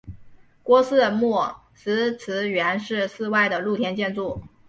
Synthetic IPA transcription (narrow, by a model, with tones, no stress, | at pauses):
kwɔ˥sɹ̩˥˧mwɔ˥˩ | sɹ̩˧˥t͡sʰɹ̩˧˥ɥɛ˧˥nʂɻ̩˥˧sɹ̩˥˧wa˥˩ɪd̪ə˩lu˥˩t̪ʰjɛ˥nt͡ɕjɛ˥˧nt͡su˥˩